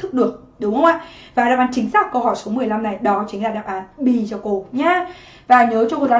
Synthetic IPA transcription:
t̪ʰɨ˦˥k̚ɗɨ˨˩ək̚ | ɗʊ˨˦ŋ͡mhə˧wŋ͡mʔaː˧˨vaː˨˩ɗaː˧˩ʔaː˨˦nt͡ɕï˨˦ŋ̟saː˦˥k̚kə˧wɦɔ˧˩jso˨˦mɨ˨˩əjla˧mna˨˩jɗɔ˨˦t͡ɕï˨˦ŋ̟laː˧˩ɗaː˨˩ʔaː˨˦nɓi˧˩t͡ɕɔ˧˩ko˧˩ɲaː˧ | vaː˨˩ɲəː˨˦t͡ɕɔ˧ho˨˩zaː˧

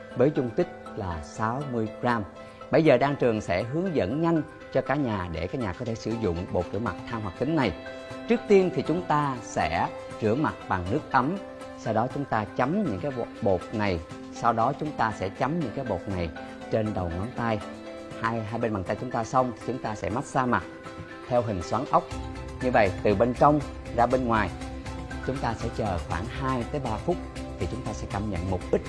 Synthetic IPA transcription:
vəː˨˦jzʊ˧ŋ͡mt̪ï˦˥k̟̚laː˨˩saː˨˦wmɨ˧əjkzaː˧m | ɓə˧jzəː˨˩ɗaː˧ŋt͡ɕɨ˨˩əŋsɛ̰˧˥ɦɨ˨˦əŋzə̰˧˥˨nɲa˧jŋ̟ | t͡ɕɔ˧kaː˧˥ɲaː˨˩ɗe˧˩kaː˦˥k̚ɲaː˨˩kɔ˨˦t̪ʰe˧˩sɨ̰˧˩zʊ̰˧˨ŋ͡mɓo̰˨˩t̚t͡ɕɨ˧˩əma˨˩t̚t̪ʰaː˧mɦwa˨˩k̚t̪ï˨˦ŋ̟na˨˩j | t͡ɕɨ˦˥ək̚t̪i˧ənt̪ʰi˨˩t͡ɕʊ˨˦ŋ͡mt̪aː˧sɛ̰˧˥ | t͡ɕɨ̰˧˩əma˨˩t̚ɓa˨˩ŋnɨ˦˥ək̚ʔə˨˦m | sa˧wɗɔ˨˦t͡ɕʊ˨˦ŋ͡mt̪aː˧t͡ɕa˨˦mɲɨ̰˧˥kaː˨˦jɓo˨˩t̚na˨˩j | sa˧wɗɔ˨˦t͡ɕʊ˨˦ŋ͡mt̪aː˧sɛ̰˧˥t͡ɕa˨˦mɲɨ̰˧˥ŋkaː˨˦jɓo˨˩t̚na˨˩j | t͡ɕe˧nɗə˨˩wŋɔ˨˦nt̪a˧j | haː˧jɦaː˧jɓe˧nɓa˨˩ŋt̪a˧jt͡ɕʊ˨˦ŋ͡mt̪aː˧sa˧wŋ͡mt̪ʰi˨˩t͡ɕʊ˨˦ŋ͡mt̪aː˧sɛ̰˧˥ma˦˥t̚zaː˧ma˨˩t̚ | t̪ʰɛ˧wɦï˨˩ŋ̟swaː˨˦ŋʔə˦˥wk͡p̚ | ɲɨ˧və̰˧˨jt̪ɨ˨˩ɓe˧nt͡ɕə˧wŋ͡mzaː˧ɓe˧nŋwaː˨˩jt͡ɕʊ˨˦ŋ͡mt̪aː˧sɛ̰˧˥t͡ɕəː˨˩xwaː˧˩ŋɦaː˧jt̪əː˨˦jɓaː˧fʊ˦˥k͡p̚t̪ʰi˨˩t͡ɕʊ˨˦ŋ͡mt̪aː˧sɛ̰˧˥kaː˧mɲə̰˧˨nmo˨˩k͡p̚ɗï˦˥k̟̚

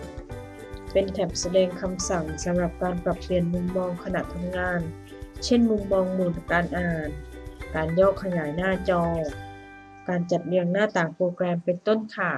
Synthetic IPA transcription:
pe˨nt̪ʰɛ˨˩msa˧dɛː˧ŋkʰa˧msa˨˩ŋsa˨˦mɾa˧˩p̚kaː˧npɾa˧˩p̚ʰli˧˩ənmu˧ŋmɔː˧ŋkʰa˧na̰˧˨ʔt̪ʰa˧mŋaː˧˥˨n | t͡ɕʰe˥˨nmu˧ŋmɔː˧ŋmɯː˨˩nkaː˧nʔa˧haː˨˩nkaː˨njɔː˧˥˩kʰːa˧ɲaː˨˩˦jnaː˥˩t͡ɕɔː˧ | kaː˨nt͡ɕa˨˩t̪̚lɯ˧əŋnaː˥˩˨t̪aː˨˩ŋpɾoː˧kɾɛː˧mpe˨nt̪o˥˨nkʰaː˨˩

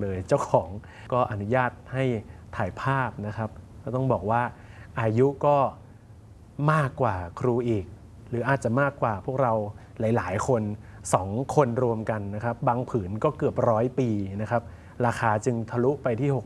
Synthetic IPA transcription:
lɤː˧jt͡ɕa˥˩wkʰɔː˩˦ŋ | kɔː˥˩ʔa˧nu˦˥jaː˥˩t̪̚ha˥˩jt̪ʰaː˩˦jpʰaː˥˩p̚na˦˥kʰɾa˦˥p̚kɔ˥˩t̪ɔ˥˩ŋbɔː˨˩k̚waː˥˩ʔaː˧ju˦˥kɔː˥˩ | maː˥˩kːwaː˨˩kʰɾuː˧ʔiː˨˩k̚ | ɾɯː˩˦ʔaː˨˩t̪̚t͡ɕa˨˩maː˥˩kːwaː˨˩pʰu˥˩k̚ɾa˧w | laː˩˦jlaː˩˦jkʰo˧nsɔː˩˦ŋkʰo˧nɾu˧əmka˧nːa˦˥kʰa˦˥p̚baː˧ŋpʰɯː˩˦nkɔː˥˩kɯ˨˩əp̚ɾɔː˦˥jpiː˧na˦˥kʰa˦˥p̚ | ɾaː˧xʰaː˧t͡ɕɯ˧ŋt̪ʰa˧lu˦˥ʔpa˧jt̪ʰiː˥˩ho˨˩

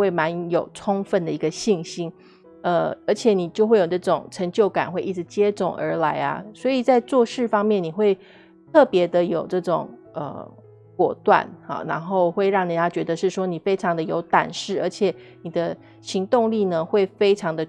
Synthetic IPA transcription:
we˥˩ɪma˧˦njo˨˩ʊʈ͡ʂʰʊ˥ŋfə˥˩nd̪ə˩i˧˥ɡə˧ɕi˥˩ŋɕi˥n | ə˧ə˞˧˥t͡ɕʰjɛ˨˩ni˨˩t͡ɕjo˥˧ʊxwe˥˩ɪjo˨˩ʈ͡ʂɤ˥˩ʈ͡ʂʊ˨˩ŋʈ͡ʂʰə˧˥ŋt͡ɕjo˥˩ʊka̰˨˩nxwe˥˧ɪʔi˥˩ʈ͡ʂɻ̩˧˦t͡ɕjɛ˥t͡sʊ˨˩ŋʔə̰˞˧˥la˧˥ɪɐ̰˧swɔ˧˥i˨˩t͡sa˥˧ɪt͡swɔ˥˧ʂɻ̩˥˩fɑ˥ŋmjɛ˥˩˨nni˨˩xwe˥˧ɪ | t̪ʰɤ˥˩pjɛ˧˥d̪ə˧jo˨˩ʊʈ͡ʂɤ˥˩ʈ͡ʂʊ̰˨˩ŋ | ə̰˩ | kwɔ˨˩t̪wa̰˥˨˩nɑ̰˨˩na˧˥nxo˥˧ʊxwe˥˧ɪɻɑ˥˩ŋni˨˩jɑ˥˩t͡ɕɥɛ˧˥d̪ə˧ʂɻ̩˥˩ʂwɔ˥ni˨˩fe˥ɪʈ͡ʂʰɑ˧˥ŋd̪ə˨jo˧˥ʊt̪a̰˨˩nʂɻ̩˥˩ə˞˧˥t͡ɕʰjɛ˨˩ | ni˨˩d̪ə˦ | ɕi˧˥ŋt̪ʊ˥˧ŋli˥˩nə˩xwe˥˩ɪfe˥ɪʈ͡ʂʰɑ˧˥ŋd̪ə˧

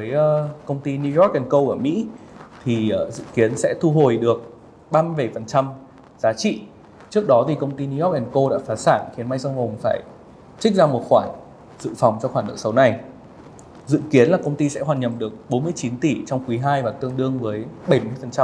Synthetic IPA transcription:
vəː˨˦jəː˨˧kə˧wŋ͡mt̪i˧ni˧jɔ˦˥k̚ʔɛ˨˩nkə˧wʔəː˧˩mḭ˧˥t̪ʰi˨˩əː˨˩zɨ̰˧˨ki˨˦ənsɛ̰˧˥t̪ʰu˧ɦo˨˩jɗɨ˨˩ək̚ | ɓaː˧mɨ˧jɓə˧˩jfə˨˩nt͡ɕa˧m | zaː˨˦t͡ɕḭ˧˨ | t͡ɕɨ˦˥ək̚ɗɔ˨˦t̪ʰi˨˩kə˧wŋ͡mt̪i˧ni˧jɔ˦˥k̚ʔɛ˨˩nko˧ɗa̰ː˧˥faː˨˦saː˧˩nxi˨˦nma˧jsɔ˧wŋ͡mho˨˩ŋ͡mfaː˧˩j | t͡ɕi˦˥k̟̚zaː˧mo˨˩t̚xwaː˧˩n | zɨ̰˧˨fɔ˨˩wŋ͡mt͡ɕɔ˧xwaː˧˩nə̰˧˥sə˨˦wna˨˩j | zɨ̰˧˨ki˨˦ənlaː˨˩kə˧wŋ͡mt̪i˧sɛ̰˧˥ɦwaː˨˩nɲə˨˩p̚ɗɨ˨˩ək̚ɓo˨˦nmɨ˧əjt͡ɕi˨˦nt̪i˧˩t͡ɕɔ˧wŋ͡mkwi˨˦ɦaː˧jvaː˨˩t̪ɨ˧əŋɗɨ˧əŋvəː˨˦jɓə˧˩jmɨ˧əjfə˨˩nt͡ɕa˧m

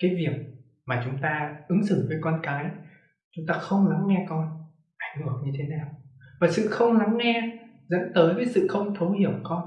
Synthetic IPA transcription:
kaː˨˦jvi˨˩ək̚ | maː˨˩t͡ɕʊ˨˦ŋ͡mt̪aː˧ʔɨ˨˦ŋsɨ̰˧˩ŋvəː˨˦jkɔ˧nkaː˨˦j | t͡ɕʊ˨˦ŋ͡mt̪aː˧xə˧wŋ͡mla˨˦mŋɛ˧kɔ˧n | ʔa˧˩jŋ̟ɨ˧˨˩ək̚ɲɨ˧t̪ʰe˨˦naː˨˩wvaː˨˩sɨ̰˧˨xə˧wŋ͡mla˨˦mŋɛ˧ | zə̰˧˥nt̪əː˨˦jvəː˨˦jsɨ̰˧˨xə˧wŋ͡mt̪ʰə˨˦whi˧˩əwkɔ˧n

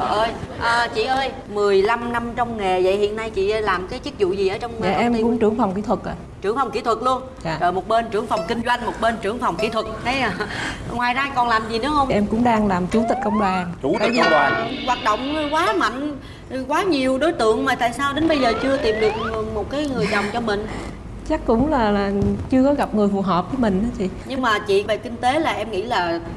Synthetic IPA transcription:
ʔəː˧jʔəː˨˩t͡ɕḭ˧˨ʔəː˧j | mɨ˨˩əjla˧mna˧mt͡ɕɔ˧wŋ͡mŋe˨˩zə̰˧˨jhḭ˧˨ənːa˧jt͡ɕḭ˧˨˧laː˨˩mkaː˨˦jt͡ɕi˦˥k̚zṵ˧˨zi˨˩ʔəː˨˦t͡ɕɔ˧wŋ͡mːʔʔɛ˧m˧kʊ̰˧˥ŋ͡mt͡ɕɨ˨˧˩əŋfa˨˩wŋ͡mki˧˥t̪ʰwə˨˩k̚ʔaː˨˩t͡ɕɨ˧˩əŋfɔ˨˩wŋ͡mkḭ˧˥t̪ʰwə˨˩t̚lu˧ənː˨˩ | t͡ɕəː˨˩mo˨˩t̚ɓe˧nt͡ɕɨ˧˩əŋfa˨˩wŋ͡mkï˧ŋ̟zwa˧jŋ̟mo˨˩t̚ɓe˧nt͡ɕɨ˧˩əŋfɔ˨˩wŋ͡mkḭ˧˥t̪ʰwə˨˩t̚t̪ʰə˨˦jŋwaː˨˩jzaː˧kɔ˨˩nlaː˨˩mzi˨˩nɨ˨˦hə˧wŋ͡mʔɛ˧mkʊ̰˧˥ŋ͡mɗaː˧ŋlaː˨˩mt͡ɕu˨˦t̪ï˨˩k̟̚kə˧wŋ͡mɗwaː˨˩n˨˦ə˨˦jɣwaː˨˩t̚ɗo̰˧˨wŋ͡mkwaː˨˦ma̰˧˨ŋ̟ | kwaː˨˦ɲi˨˩əwɗo˨˦jt̪ɨ̰˧˨əŋmaː˨˩t̪a̰ː˧˨jsaː˧wɗe˨˦nɓə˧jzəː˨˩t͡ɕɨ˧ət̪i˨˩mɗɨ˨˩ək̚mo˨˩t̚kaː˨˦jŋɨ˨˩əjzɔ˨˩wŋ͡mt͡ɕɔ˧mï˨˩ŋ̟ | t͡ɕa˦˥k̚kʊ̰˧˥ŋ͡mlaː˨˩laː˨˩t͡ɕɨ˧əkɔ˨˦ɣa˨˩p̚ŋɨ˨˩əjfu˨˩ɦəː˨˩p̚vəː˨˦jmï˨˩ŋ̟ɗaː˨˦t͡ɕʰḭ˧˨ɲɨ˧ŋmaː˨˩t͡ɕḭ˧˨ve˨˩kï˧ŋ̟t̪e˨˦laː˨˩ʔɛ˧mŋḭ˧˥laː˨˩

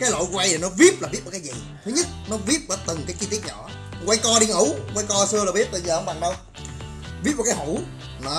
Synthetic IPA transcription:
kaː˨˦jlo̰˧˨jɣwa˧jʰi˨˩nɔ˨˦vi˦˥əp̚laː˨˩i˦˥t̚mə˨˩kːaː˨˦jzḭ˧˨ | t̪ʰɨ˨˦ɲə˦˥t̚nɔ˨˦vi˦˥əp̚vəː˨˦t̪ɨ˨˩ŋkaː˨˦ki˧t̪i˦˥ət̚ɲɔ̰˧˨ | kwa˧jkɔ˧ɗi˧ŋʔu˧˦kwa˧jkɔ˧sɨ˧əlaː˨˩vi˦˥p̚ɓə˧jzəː˨˩ʔə˧˦ŋ͡mɓa˨˩ŋɗə˧w | ɓi˦˥t̚m˨˩kːaː˨˦jhu˧˩˦ | nɔ˨˦

